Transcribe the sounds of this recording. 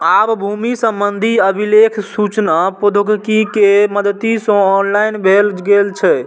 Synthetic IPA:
abbʱumisəmbənd̪ʱiəbʱilekʰsut͡ʃnapod̪ʱuɡkikeməd̪t̪isə̃ɔnlainbʱelɡelt͡ʃʰɛ

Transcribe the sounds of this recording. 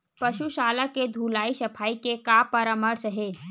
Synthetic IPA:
pəʃuʃaːlaked̪ʱuːlaːisəpʰaːikekapəɾəməɾsəɦe

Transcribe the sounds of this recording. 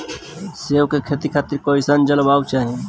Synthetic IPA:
sewkekʰet̪ikʰaːt̪iɾkoisənd͡ʒəlbawt͡ʃaɦe

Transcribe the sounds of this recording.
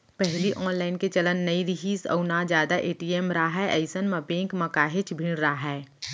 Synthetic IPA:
pɛɦliʔɔːnlaːɪnket͡ʃɐlənːɐiɾɪɦiːsɐ̰ʊnad͡ʒjaːd̪aʔeːʈiːeːmɾaːɦɛʔɐɪsənmɐpẽːŋkmɐkaːɦɪt͡ʃbʱɪ̃ɽɾaɦɛː

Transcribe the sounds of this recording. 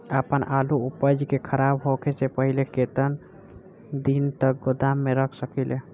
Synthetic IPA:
əpənʔaluupəd͡ʒkekʰəɾabɦoket͡ʃepəɦileket̪ən | d̪int̪ək̚ɡod̪amːeɾəkʰsəkɛle

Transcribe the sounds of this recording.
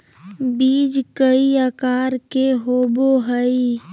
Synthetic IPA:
biːd͡ʒkəiakaːɾkeɦoːboɦəi

